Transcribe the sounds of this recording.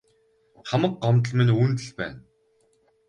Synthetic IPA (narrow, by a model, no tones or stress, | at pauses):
χamə̆k̚ɢɔmt̪ə̆ɮmɘ̆nunt̪ɘ̆ɮpæ̰ːn